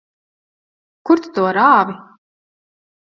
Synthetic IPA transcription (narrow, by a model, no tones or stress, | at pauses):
kuɾt̪t̪uɔɾaːvi